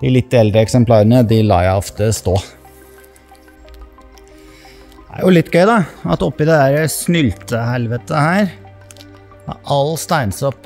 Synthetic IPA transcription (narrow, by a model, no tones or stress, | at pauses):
d̪ɪlɪt̪ːɛld̪ɾəɛksɛmpʰlɑːɾənəd̪ɪlɑ̰ːjæɪɔft̪əst̪oː | æ̰ɾjʊlɪt̪ːɡœʏd̪ɑɑt̪ɔpːɪd̪ɛd̪æɾəsnʏlt̪əhɛlʋət̪əhæːɾ | ɑ̰ʔɑlst̪æɪnsɔpː